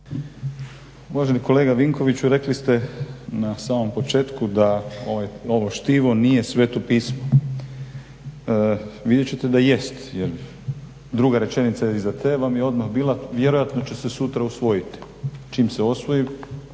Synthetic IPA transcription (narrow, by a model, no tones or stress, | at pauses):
uʋaʒeniko̞le̞ːɡaʋiŋko̞ʋit͡ɕuɾe̞klist̪enasaːmo̞mpo̞t͡ʃe̞ːt̪kud̪ao̞ʋajo̞ʋo̞ʃt̪iʋo̞nije̞sʋe̞t̪opiːsmo | ʋid̪jet͡ɕet̪e̞d̪aje̞st̪jeɾ | d̪ɾuɡaɾe̞t͡ʃe̞nit̪sajeizat̪eʋamjeo̞d̪maxbiːlˠaʋje̞ɾojat̪no̞t͡ɕe̞sesut̪ɾausʋo̞jit̪i̥ | t͡ʃiːmseo̞sʋo̞ji